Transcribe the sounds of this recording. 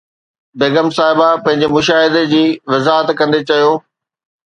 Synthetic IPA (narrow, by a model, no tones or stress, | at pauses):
beːɡəmsaːɦɪbapɐ̃ɦɪ̃ɲd͡ʑemʊʃaːɦɪd̪ed͡ʑiːʋɐzaːɦət̪kɐ̃nd̪et͡ɕɐjoː